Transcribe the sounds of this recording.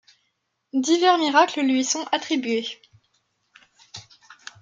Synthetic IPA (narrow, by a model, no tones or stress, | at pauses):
d̪ivɛʁmiʁakləlɥisɔ̃ʔat̪χibɥe